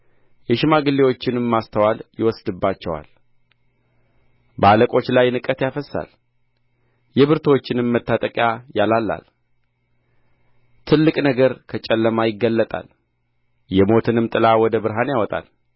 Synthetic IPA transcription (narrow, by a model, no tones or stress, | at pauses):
jɛʃɪmaɡɨlːewo̞t͡ʃːɪnɨmːast̪ʰəwaljɪwɔsd̪ɨbːat͡ʃːɛwa̰l | bəaləkʼo̞t͡ʃːlajːnɨkʼət̪jafəsːa̰l | jɛβɨɾt̪ʰwot͡ʃːɪnɨmːət̪ːat̪ʼəkʼjajalalːa̰l | t̪ʰɨlːɨkʼnəɡəɾkʰət͡ʃʼɛlːəmajɪɡːəlːət̪ʼa̰l | jɛmo̞t̪ʰɨnɨmt̪ʼɨlawɔd̪əbɨɾɦanjawɔt̪ʼa̰l